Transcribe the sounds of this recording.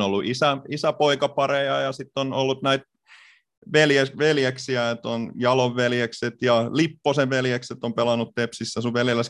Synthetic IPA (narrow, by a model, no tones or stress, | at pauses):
olːuʔisæisæpoikɑpɑrejɑjɑsit̪ːonolːut̪næit̪ | ʋeljeʋeljeksiæet̪onjɑloʋʋeljekset̪jɑlipːoseʋʋeljekset̪ːompelɑnut̪t̪epsisːæsuʋʋeljelːæs